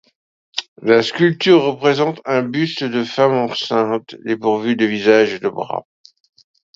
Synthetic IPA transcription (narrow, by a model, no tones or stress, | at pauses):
laskʲylt̪yʁːəpχezɑ̃t̪ɛ̃byst̪d̪əfamɑ̃sɛ̃t̪lepuʁvyd̪əvizaʒed̪əbʁa̰